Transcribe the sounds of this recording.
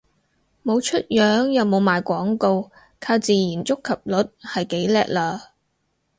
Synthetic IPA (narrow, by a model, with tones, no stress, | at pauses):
mo˨˧wt͡ʃʰɵ˥t̚jœː˨˥ŋjɐ˨wmo˨˧wmaː˨jkʷɔː˨˥ŋko˧w | kʰaː˧wt͡siː˨jiː˨˩nt͡sʊ˥kʰːɐ˨p̚lɵ˨˥t̚hɐ˨jke˨˥jlɛː˨k̚laː˧